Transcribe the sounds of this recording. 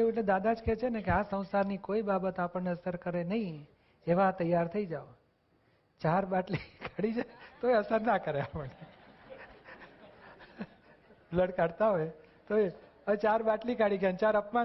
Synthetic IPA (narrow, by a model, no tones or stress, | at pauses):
eũeʈled̪ad̪ad͡ʒkɛt͡ʃʰenekeasə̃w̃saɾnikoibabət̪apəɳneəsəɾkəɾenəɦĩ | eʋat̪əjaɾt̪ʰəid͡ʒao | t͡ʃaɾbaʈlikʰaɽid͡ʒat̪oeəsəɾnakəɾeapəɳe | bləɖkaɽt̪aɦoj | t̪oe | ət͡ʃaɾbaʈlikaɽiɡjant͡ʃaɾəpma